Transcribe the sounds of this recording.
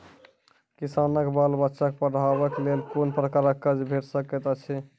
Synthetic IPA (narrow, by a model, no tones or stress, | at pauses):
kisanəkbalbətːʃakepəɽabəklelkonpɾəkaɾəkːəd͡ʒbʱeʈsəket̪ət͡ʃʰɛ